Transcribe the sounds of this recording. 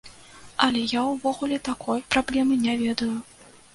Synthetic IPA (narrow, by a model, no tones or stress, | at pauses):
ɐlʲɛjawvɔɣulʲɛt̪akʰɔjpɾablʲɛmɨnʲavʲɛd̪ɐju